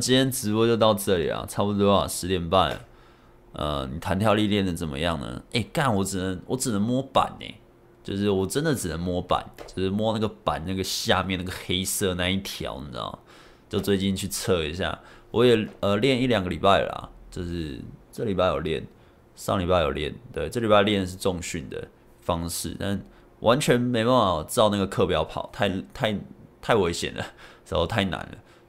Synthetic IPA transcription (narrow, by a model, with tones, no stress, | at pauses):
t͡ɕi˥nt̪jɛ˥nt͡sɻ̩˧˥wɔ˧˥˧t͡ɕjo˥˧ʊt̪ɑ˥˧ʊʈ͡ʂɤ˥˨lḭ˨˩la̰˨˩ʈ͡ʂʰɑ˥pu˧t̪̬wɔ˥˩a̰˨˩ʂɻ̩˧˥t̪jɛ˨˦npa˥˩n̰˩ | ʔə̰˧˩ni˨˩t̪ʰa˧˦nt̪ʰjɑ˥˧ʊli˥˧ljɛ˥˩nd̪ə˩t͡sə˨˩mə̰˦jɑ˥˩ŋnə̰˦e˥˩ɪka˥˩nwɔ˧˥ʈ͡ʂɻ̩˨˩nə˧˦ŋwɔ˨˧˥ʈ͡ʂɻ̩˨˩nə˧˦ŋmwɔ˥pa̰˨˩˦nḛ˨˩˦ | t͡ɕjo˥˧ʊʂɻ̩˥˩wɔ˨˩ʈ͡ʂə˦nd̪ə˨ʈ͡ʂɻ̩˨˩nə˧˦ŋmwɔ˥pa̰˨˦nt͡ɕo˥˧ʊʂɻ̩˥˩mwɔ˥na˥˩ɡə˩pa˨˩nna˥˩ɡə˩ɕja˥˧mjna˥˩ɡə˩xe˥ɪsɤ˥˧na˧˥ni˥˩t̪ʰjɑ̰˧˥ʊ̰˨˥˩ | t͡ɕo˥˧ʊt͡swe˥˧ɪt͡ɕi˥˧nt͡ɕʰy˥˧t͡sʰɤ˥˩i˧˦ɕja̰˥˩ | wɔ˧˦jɛ˨˩ə˨ljɛ˥˧ni˥˩ljɑ˨˩ŋɡə˦lḭ˨˩pa˥˩ɪla̰˨˩t͡ɕjo˥˧ʊʂɻ̩˥˧ʈ͡ʂɤ˥˩˨li˨˩pa˥˩ɪjo˨˩ljɛ̰˥˩n | ʂɑ̰˥˧ŋli˨˩pa˥˩ɪjo˨˩ljɛ̰˥˩nt̪we˥˩ɪʈ͡ʂɤ˥˩˨li˨˩pa˥˩ljɛ˥˧nə˨ʂ̬ɻ̩˥˧ʈ͡ʂo˥˧ŋɕy˥˩nd̪ə̰˩ | fɑ˦ŋʂɻ̩̰˥˩t̪a̰˥˨n | wʔa˧˦nt͡ɕʰɥɛ˧˦nme˧˥ɪpa˥˩ɑ˨˩˥ɑ˥˧ʊna˥˩ɡə˩kʰɤ˥˧pjɑ˧˥ʊpʰɑ̰˨˩ʊt̪ʰa˥˩ɪt̪ʰa˥˩ɪt̪ʰa˥˩ɪwe˧˥ɪɕjɛ̰˨˩nd̪ə̰˨˩ʂ̩˧˥xo˥˧ʊt̪ʰa˥˩ɪna̰˧˦nlə̰˩